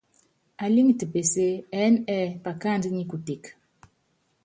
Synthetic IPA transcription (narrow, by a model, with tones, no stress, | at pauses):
a˨li˦ŋ˨ti˨pe˨se˦ɛ˨˦nɛ˦˨pa˨ka˦˨ndə˦ɲi˦ku˨ti˨k